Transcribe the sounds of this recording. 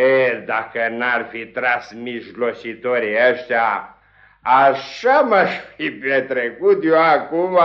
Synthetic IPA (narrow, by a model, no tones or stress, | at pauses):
ed̪akənarfit̪ɾãsmislosit̪oɾiəʃt̪jaː | ʃamaʃfipet̪ɾekut̪joakuma